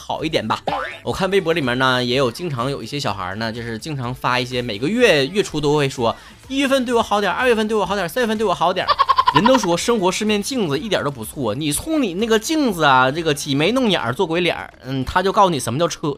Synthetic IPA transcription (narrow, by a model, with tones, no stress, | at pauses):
xɑ˨˩ʊi˥˩t̪jɛ̰˨˩nbɐ̰˧wɔ˨˩kʰa˥˩nwe˥ɪp̬wɔ˧˥li˨˩mjɛ˧nə˧jɛ˧˥jo˨˩ʊt͡ɕi˥ŋʈ͡ʂʰɑ˧˥ŋjo˨˩ʊi˥˩ɕjɛ˥ɕ̬jɑ˨˩ʊxə̰˞˧˥nə˧t͡ɕjo˥˧ʊʂɻ̩˥˧t͡ɕi˥ŋʈ͡ʂʰɑ˧˥ŋfa˥i˥˩ɕ̬jɛ˥me˨˩ɪɡə˦ɥɛ˥˧ɥɛ˥˩ʈ͡ʂʰu˥t̪̬o˥ʊxwe˥˩ɪʂwɔ˥ | i˥ɥɛ˥˧fə˥˧nt̪we˥˩ɪwɔ˧˥xɑ˧˥ʊt̪jɑ˨˩˧ə˥˧ɥɛ˥˧fə˥˧t̪ɪ˩ɔ˧˩˥jsa˥njɛ˥˧ft̪wwɔ˧˩˥ɑ˧˥ʊ˥t̪j̰ɻə˧˥nt̪o˥ʊʂ̬wɔ˥ʂɤ˥ŋxwɔ˧˥ʂɻ̩˥˧mjɛ˥˧nt͡ɕi˥˩ŋd͡zɹ̩˩i˥˩t̪j̰d̪ə˧˥p̬u˧˥t͡sʰwɔ˥˩ni˨˩t͡sʰʊ˥ŋni˨˩na˥˩ɡə˩t͡ɕi˥˩ŋd͡zɹ̩˩ɐ˩ʈ͡ʂɤ˥˩ɡə˩t͡ɕʰi˨˩me˧˥ɪnʊ˥˩ŋja̰˨˩˧t͡swɔ˥˩kwlja̰˨˩˦ | n̩˥˩t̪ʰa˥t͡ɕjo˥˧ʊkɑ˥˩i˨˩ə˧˥mə˧t͡ɕjɑ˥˧ʊʈ͡ʂʰɤ˥